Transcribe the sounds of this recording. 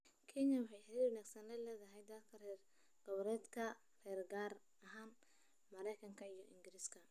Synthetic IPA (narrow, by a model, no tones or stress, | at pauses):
kʰɛnjɐwɑħɑjħɪɾɛwɐnaːɡsɐnɛlɛːðɐɦɛjd̪ɐlkʰɐrɛr | ɡ̥ɔβɾɛːd̪kʰɐ | rɛːrɡaːr | ɐɦaːn | mɐɾɛjkʰɐŋkʰɐijɞʔɪŋɡɪɾiskʰɐ